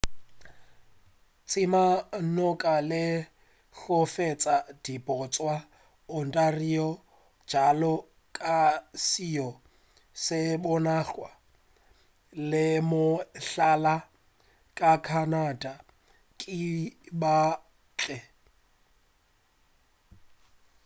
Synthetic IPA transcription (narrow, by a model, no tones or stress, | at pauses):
t͡sʼɪmanɔkʼalɪ | ɬɔfet͡sʼad̥ipʼɔt͡sʼwa | ʊn̩tʼariɔ̥ | d͡ʒalɔ | kʼasiɔ | sɪbɔnaɬwa | lɪmʊɬala | kʼakʰanada | kʼɪba | t͡ɬʼɛ